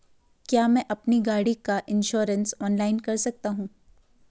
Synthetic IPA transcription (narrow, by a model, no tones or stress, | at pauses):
kjaːmɛ̃ʔɐpniɡaːɽikaʔɪ̃nʃɔːɾə̃nsɔːnlaːɪnkɐɾsɐk̚t̪aɦũː